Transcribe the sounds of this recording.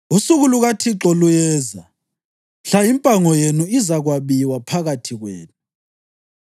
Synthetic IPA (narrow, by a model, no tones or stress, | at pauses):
usuɣuluɣatʰiǁɔlujɛːza | ɬajimpʼaŋɔjenuizaɣwaβiwapʰaɣatʰiɣwḛːnu